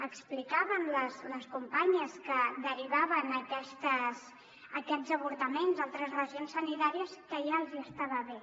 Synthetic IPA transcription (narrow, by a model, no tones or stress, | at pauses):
əksplikaβənləsləskumpaɲəskəd̪əɾiβaβənəkɛst̪əs | əkɛzəβ̞uɾt̪əmenzalˠt̪ɾəzrəʒionsənit̪aɾiəskəʒaəlˠziəst̪aβəβe